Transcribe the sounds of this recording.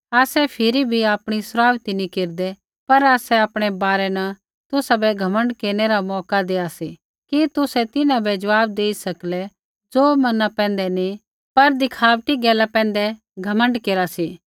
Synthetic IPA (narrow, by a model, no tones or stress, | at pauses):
aːsɛpʰɪɾibʱiaːpɽ̃isʊɾaːʋt̪inikeːɾd̪ɛ | pɐɾaːsɛaːpɽ̃ɛbaːɾɛnɐ | t̪ʊsabɛɡʱɐmə̃ɳɖkeːɾñeɾamɔːkad̪eːasi | kit̪ʊsɛt̪ɪnãbɛd͡ʒɐʋaːbd̪eːisɐklɛ | d͡ʒoːmɐnapɛ̃ːnd̪ɛni | pɐɾd̪ɪkʰaːʋʈiɡɛːlapɛ̃ːnd̪ɛ | ɡʱɐmə̃ɳɖkeːɾasi